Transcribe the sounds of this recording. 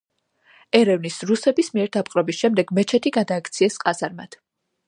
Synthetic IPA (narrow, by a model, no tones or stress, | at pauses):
ɛɾɛvnisɾusɛbismiɛɾd̪apʼqʼɾɔbisʃɛmd̪ɛɡmɛt͡ʃʰɛt̪ʰiɡad̪aːkʰt̪sʰiɛsqʼazaɾma̰d̪̥